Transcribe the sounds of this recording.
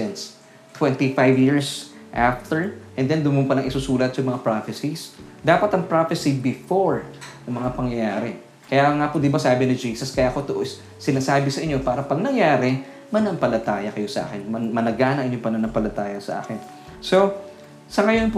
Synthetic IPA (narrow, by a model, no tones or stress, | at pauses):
ɛns | t̪wɛnt̪ifajvjiɹs | ʔaft̪ɛɹʔɛnd̪ɛnd̪ʊmʊnpɐlɐŋʔɪsusuːlɐt̪̚sɐŋmɐŋapɹafɛsisd̪aːpɐt̪ɐŋpɹafɛsibɪfoɹnɐmɐŋapɐŋjɐjaːɾɛ | kɐjaŋaːpod̪ɪbasaːbɪnɪd͡ʒiːsɐskɐjakot̪oʔos | sɪnaːsaːbɪsɐʔɪɲːopaːɾɐpɐɡ̚nɐŋjaːɾɛ | mɐnɐmpɐlɐt̪aːjɐkɐjo̞sɐʔa̰ːkɛnmɐmɐnɐɡaːnɐʔɪɲʊŋpɐnɐnɐmpɐlɐt̪aːjɐsɐ̰ʔa̰ːkɛn | so̞ | sɐŋɐjo̞np